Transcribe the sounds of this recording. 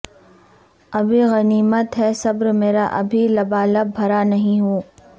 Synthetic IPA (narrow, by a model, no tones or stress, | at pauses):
ɐbʱiɣɐniːmət̪ɦɛsɐbɾmeːɾaʔɐ̰bʱilɐbaːləbʱɐɾanɐɦĩɦoː